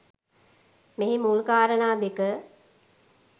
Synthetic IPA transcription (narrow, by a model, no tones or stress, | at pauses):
meɦimulkaːɾənaːb̪ekə